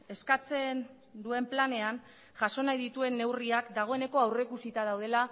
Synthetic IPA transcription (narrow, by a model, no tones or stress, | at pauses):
e̞skat͡se̞n | d̪ue̞mplane̞an | ʝaso̞najðit̪ue̞nːe̞wriakd̪aɣ̞o̞e̞ne̞ko̞awre̞kusit̪að̞awð̞e̞la